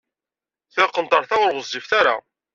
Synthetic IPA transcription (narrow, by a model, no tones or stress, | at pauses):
θɪqːənt̪ɑɾˤθaʊɾʁəzːifθaɾa̰